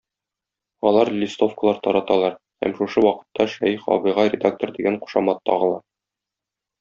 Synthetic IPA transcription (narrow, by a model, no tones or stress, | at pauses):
ɒlˠɑɾlʲist̪o̞fkəlˠɑɾt̪ɒɾɑt̪ɑlˠɑɾ | hæ̰mʃuʃɤwɒqɤ̥̆t̪ːɑʃæjχɒ̰bɤ̆jʁɑɾʲɪd̪ak̚t̪ə̆rd̪iɡæɴqu̥ʃɑmɑt̪ːɒ̰ʁɤ̆lˠɑ